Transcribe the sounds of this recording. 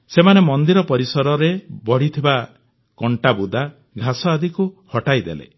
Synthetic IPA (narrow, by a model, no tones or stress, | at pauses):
semanemɔnd̪iɾɔpɔɾisɔɾɔɾebɔɽ̤it̪ʰiba | kɔɳʈabud̪a | ɡʱasɔad̪ikuhɔʈajd̪ḛlḛ